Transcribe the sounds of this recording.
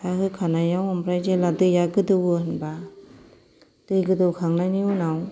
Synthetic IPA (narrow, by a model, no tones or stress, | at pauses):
aɦɯkʰanajawambɾajzeladɯjaɡɯdɯwɯhɯnba | d̥ɯjɡɯdɯwkʰaŋnajniunaw